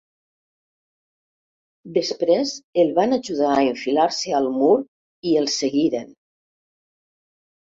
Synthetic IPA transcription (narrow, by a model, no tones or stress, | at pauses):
d̪əspɾezelˠβanaʒuðaəiɱfilaɾsealˠmuɾ | iəlˠseɣiɾen